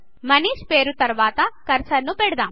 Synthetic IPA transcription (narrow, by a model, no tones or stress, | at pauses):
mɐniːʃpeːɾut̪ɐɾʋaːt̪ɐkɐɾsɐɾnupɛɽɐd̪aːm